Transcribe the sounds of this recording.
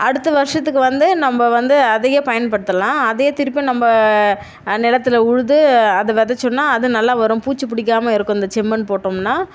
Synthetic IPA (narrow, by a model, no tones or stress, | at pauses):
ʔɐɽɯt̪ːɐʋɐɾʂɐt̪ːɯkːɯʋɐnd̪ɯnɐmbɐʋɐnd̪ɯɐðɛjeːpɐjɐnpɐɽɯt̪ːɐlãːɐðɛjeːt̪ɪɾɯpːinɐmbɐ | nɪɽɐt̪ːɪlɐʊɻɯðɯɐðɯʋɛðɐt͡ʃːɔnːaːɐðɯnɐlːaːʋɐɾʊ̃mpuːt͡ʃːɯpɪɽɪk̬ːaːmɐɪɾɯkːʊ̃ɪnd̪ɐt͡ʃɛmbɐnpoːʈːomnaː